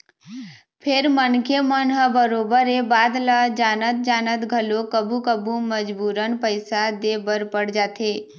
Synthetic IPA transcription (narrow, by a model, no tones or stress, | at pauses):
pʰɪɾmənkemənɦəbəɾoːbəɾebaːd̪ləd͡ʒaːnət̪̚d͡ʒaːnət̪ɡʱəlokəbukəbʱuməd͡ʒbuːɾənpəɪsad̪eːbəɾpəɽd͡ʒaːt̪eː